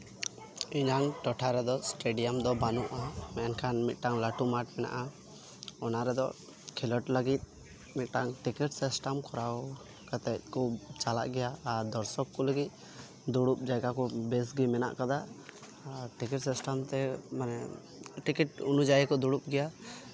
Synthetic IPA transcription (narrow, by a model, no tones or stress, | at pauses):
iɲaŋʈɔʈʰaɾɛd̪ɔsʈeɖijamd̪ɔbanuʔamɛnkʰanmit̪̚ˀʈaŋlaʈumaʈ̚mɛna̰ʔa | ɔnaɾɛd̪ɔ̰ | kʰilɔʈləɡit̪̚ | mit̪̚ˀʈaŋʈikiʈsisʈamkɔɾaw | kat̪ɛt̪̚ˀkɔt͡ʃala̰ʔɡɛjaːɾd̪ɔɾsɔkːɔləɡit̪̚ | d̪uɽup̚d͡ʒaɡakɔbɛsɡimɛna̰ʔkad̪a | ʈikiʈsisʈamt̪ɛmanɛ | ʈikiʈ̚unud͡ʒajɛkɔd̪uɽup̚ɡɛja